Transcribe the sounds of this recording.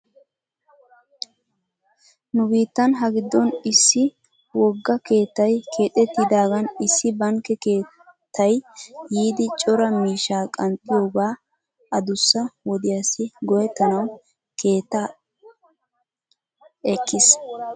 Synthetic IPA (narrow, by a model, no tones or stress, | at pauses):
nʊbiːt̪ːɐnɦɐɡɪd̪ːɔnɪsːɪ | wɔɡːɐke̞ːt̪ːɐjkʰe̞ːt̪ʼɛt̪ːɪd̪aːɡɐnɪsːɪbɐŋkːɛke̞ː | t̪ʰːɐjjiːd̪ɪt͡ʃʼɔɾɐmiːʃaːkʼɐnt̪ʼːɪjo̞ːɡaː | ɐd̪ʊsːɐwɔd̪ɪjasɪɡɔjɛt̪ːɐnɐw | kʰe̞ːt̪ːa | ʔɛkːɪs